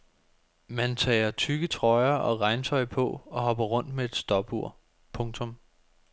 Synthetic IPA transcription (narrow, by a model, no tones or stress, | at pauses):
mænt͡sʰɛ̰ːɐt͡sʰyɡ̥ət͡sʰʁɒ̽ɪɐʔɒ̽ʁɑ̈ɪnt͡sʰɒ̽ɪpʰɒ̽ɒ̽ɦɒ̽b̥ɐʁɔ̽n̰d̥mee̝d̥sd̥ɒ̽b̥uɐ̰ | pʰɔ̽ŋt͡sʰɔ̽m